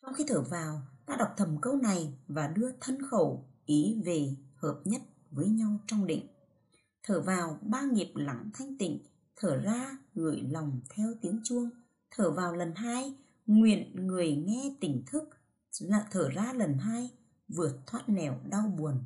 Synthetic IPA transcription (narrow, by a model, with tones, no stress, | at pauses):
sa˧wŋ͡mxi˧t̪ʰəː˧˩vaː˨˩wt̪a̰ː˧˥ɗa˨˩wk͡p̚t̪ʰə˨˩mkə˧wna˨˩jvaː˨˩ɗɨ˧ət̪ʰə˧nxə˧˩wʔi˨˦ve˨˩həː˨˩p̚ɲə˦˥t̚ | vəː˨˦jɲa˧wt͡ɕɔ˧wŋ͡mɗḭ˧˨ŋ̟ | t̪ʰəː˧˩vaː˨˩wɓaː˧ŋi˨˩əp̚la˨˩ŋt̪ʰa˧jŋ̟t̪ḭ̈˧˨ŋ̟ | t̪ʰəː˧˩zaː˧ŋɨ˨˧˩əjla˨˩wŋ͡mt̪ʰɛ˧wt̪i˨˦əŋt͡ɕu˧əŋ | t̪ʰəː˧˩vaː˨˩wlə˨˩nɦaː˧j | ŋwḭ˧˨ənŋɨ˨˩əjŋɛ˧t̪ï˧˩ŋ̟t̪ʰɨ˦˥k̚ː | t̪ʰəː˧˩zaː˧lə˨˩nɦaː˧j | vɨ˨˩ət̚t̪ʰwaː˦˥t̚nɛ˧˩wɗa˧wɓu˨˩ən